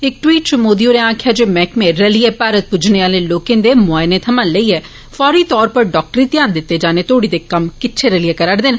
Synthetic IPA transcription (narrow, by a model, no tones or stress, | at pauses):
ɪk̚ʈwiːʈ̚t͡ʃʊmoːd̪ioːɾeãːkʰɪjaːd͡ʒeːmɛ̃ːkmẽɾəlijeːpaːɾət̪̚pʊd͡ʒʱneːaːleloːkẽːnd̪eːmʊaːɪneːt̪ʰəmanləiːɛː | fʰɔːɾiːt̪ɔːɾpəɾɖɔːk̚ʈəɾiːt̪ɪjaːnd̪ɪt̪ːeːd͡ʒaːnet̪ʰoːɽid̪eːkəmkɪtːt͡ʃʰeɾəlijeːkəɾəɽd̪ɪn